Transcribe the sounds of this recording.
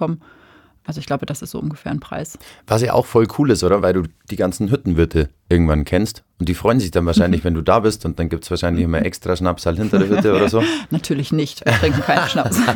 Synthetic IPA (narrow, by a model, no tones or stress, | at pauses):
ɔmən | ʔalzoɪçɡ̥laʊbəd̥asɪstzo̰ʔʊnɡəfɛːɐnpʁ̥a̰ɪsvas̬jaːʔa̰ʊxfɔlkʰuːlɪstʔoːdɐvaɪlduːd̥iːɡant͡sn̩ɦʏtn̩vʏɐtʰəʔɪɐɡŋ̩tv̥ankʰɛnstʊnt̚d̥iːfʁ̥ɔʏənzɪçd̥anvaːɐʃaɪnlɪçv̥ɛnduːdaːbɪstʊnt̚d̥anɡiːp̚tsv̥aːɐʃaɪnlɪçɪmɐʔɛkstʁ̥aʃnapsaːlhɪntɐdeːɐhʏtəʔoːɾɐzoːnatʰyːɐlɪçnɪçtv̥iɐtɪŋkŋ̩kʰaɪnʃnapsa